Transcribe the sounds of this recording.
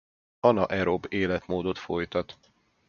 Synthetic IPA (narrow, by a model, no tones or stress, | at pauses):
ɒnɒʔɛɾobeːlɛt̪moːd̪o̞t̪fo̞jt̪ɒt̪